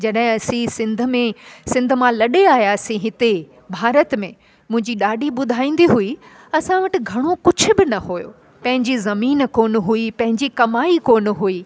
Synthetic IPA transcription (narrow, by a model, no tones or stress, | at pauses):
d͡ʑɐɗɦɪ̃ɐsĩsɪ̃nd̪ʱʊ̆mẽsɪ̃nd̪ʱʊ̆mãlɐɗeaːɦijasĩɦɪt̪e | bʱaːɾət̪mẽ | mʊ̃ɦɪ̃ɲd͡ʑiɗaːɖʱiɓʊd̪ʱaːĩːn̆d̪iɦui | ɐsãʋɐʈɪ̆ɡʱɐɽ̃okʊd͡ʑʱʊ̆bɪnɐɦojo̰ | pɐ̃ɦɪ̃ɲd͡ʑizɐmiːnkoːn̆ɦuipɐ̃ɦɪ̃ɲd͡ʑikɐmaːikoːn̆ɦuiː